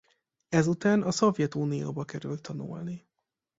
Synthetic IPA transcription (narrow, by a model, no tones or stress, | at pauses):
ɛzut̪aːnɒso̞vjɛt̪uːnijo̰ːbɒkɛɾʉlt̪ʰːɒnṵlni